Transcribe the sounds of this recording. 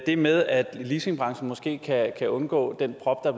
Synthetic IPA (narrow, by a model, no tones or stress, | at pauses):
d̥e̝meðˠæd̥lise̝ŋb̥ʁɑ̈ŋsn̩mɒ̽sɡ̥e̝̰ːkʰækʰæʔɔ̽nɡ̥ɔ̰̽ːd̥en̰pʰʁɒ̽b̥d̥ɑ̥